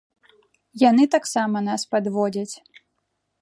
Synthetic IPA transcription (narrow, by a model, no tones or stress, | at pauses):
janɨt̪aksamɐnaspad̪vɔd͡zʲɐt͡sʲ